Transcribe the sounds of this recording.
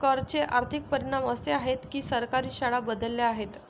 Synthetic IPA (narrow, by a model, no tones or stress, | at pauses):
kəɾt͡ɕeʔaɾt̪ʰik̚pəɾiɳ̃aməseaɦet̪kiːsəɾkaɾiːɕaɭabəd̪əlːeaɦet̪